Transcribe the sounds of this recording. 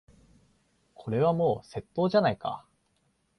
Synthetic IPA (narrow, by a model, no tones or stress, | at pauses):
kʰo̞ɾe̞β̞amo̞ːse̞t̪ːo̞ːʑanaika̰